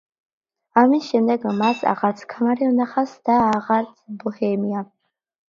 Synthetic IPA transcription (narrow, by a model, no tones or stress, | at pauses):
amisʃɛmd̪ɛɡmasʰa̰ʁaɾt̪sʰkʰamaɾiɔnaχasd̪̥aːʁaɾt̪sʰbɔhɛmia